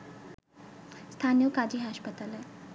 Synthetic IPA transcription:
st̪ʰaːnijəkaːd͡ʒiɦaːʃpət̪alɛ

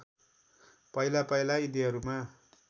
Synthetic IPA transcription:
pʌilapʌjlaid̪iɦʌɾuma

